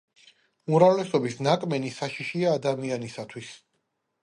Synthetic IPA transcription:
umɾavlɛsɔbisnakʼmɛnisaʃiʃiaːd̪amianisat̪ʰwis

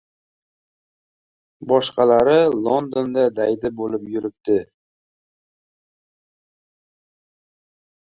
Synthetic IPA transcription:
bɒʃqɑlaɾɪlˠond̪ond̪ad̪ajd̪ɪbolɪpjʊɾɪp̚t̪ɪ

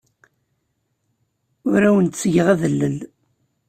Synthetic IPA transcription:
ʊɾæwənt̪sʝəʁæðəlːəl

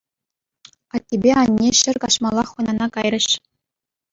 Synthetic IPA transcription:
ɑt̪ʲːebʲeɑnʲːeɕɘ̆rʲkɑɕmɑlˠːɑχːɤ̆nɑnɑkɑjrɤ̆ɕ

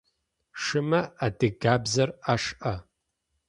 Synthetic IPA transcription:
ʂɨmɐadɨɡaːbzɐraʂʔɐ

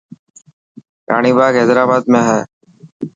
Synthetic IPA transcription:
ɾa̰ːɳiːbaːɡeːzɾaːbaːd̪mẽːɦɛː

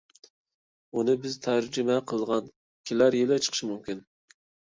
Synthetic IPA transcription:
unɨbɪzt̪ʰæɾd͡ʒymɛqʰəlˠʁɑn | kʲʰilæɾjelɛt͡ʃʰə̥qʰəʃmumkʲyn

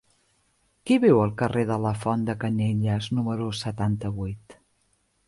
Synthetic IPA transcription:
kiβɛwəlˠkəreðələfɔnd̪əkəneʎəznuməɾusət̪ant̪əβujt̪

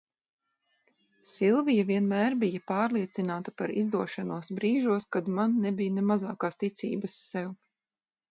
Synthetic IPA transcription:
silˠvijaviɛnmæːɾbijɐpaːɾlˠiɛt̪sinaːt̪apaɾizd̪uɔʃanuɔsbɾiːʒuɔskad̪manːɛbijnɛmazaːkaːst̪it̪sḭːbɐsːɛw

